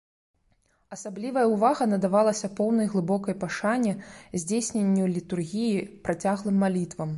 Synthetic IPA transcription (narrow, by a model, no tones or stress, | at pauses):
ɐsablʲivɐjɐwvaɣɐnɐd̪avalˠɐsʲɐpɔwnɐjɣlˠɨbɔkɐjpaʂanʲːɛzʲd͡zʲesʲnʲenʲːulʲit̪urɣʲijipɾat͡sʲaɣlˠɨmːalʲit̪vɐm